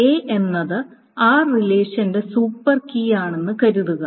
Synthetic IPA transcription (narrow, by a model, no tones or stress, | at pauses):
eːʔenːɐðɨ | aːrileːʂɐnde̞suːpːɐrkijaːɳe̞nːɨkɐɾuðuɣɐ